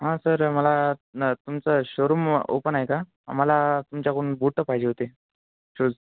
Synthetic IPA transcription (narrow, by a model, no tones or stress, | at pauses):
ɦãsəɾməlat̪umt͡səɕoɾumo̰pənaeka | am̤alat̪umt͡ɕjakoɳbuʈːəpaɦid͡ʑeɦot̪e | ɕoːd͡z